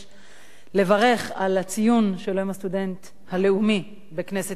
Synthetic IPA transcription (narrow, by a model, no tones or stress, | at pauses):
le̞vaʁe̞χalat͡sijunʃeloimast̪ude̞nt̪ | hale̞umi | be̞kne̞se